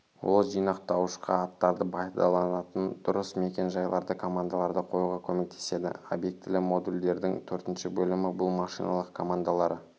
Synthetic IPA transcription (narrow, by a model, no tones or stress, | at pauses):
wo̞lˠʒijnɑq̚t̪ɑwəʃqɑ̰ɑt̪ːɑɾd̪əbɑjd̪ɑlˠɑnɑt̪ənd̪̥ʊɾəsme̞kʲe̞nʒɑjlˠɑ̰ɾd̪əkʰo̞mand̪alˠɑɾd̪əqʰo̞juʁɑkʲʰɵme̞k̚t̪ʰe̞̥se̞d̪ɪ̰o̰bje̞k̚t̪ɪlɪmo̞d̪uld̪e̞ɾd̪ɪŋt̪ʰɵɾt̪ɪnʃɪbɵlɪmɪbʊlˠmɑʃijnɑ̰lˠəqkʰo̞mand̪alˠɑɾə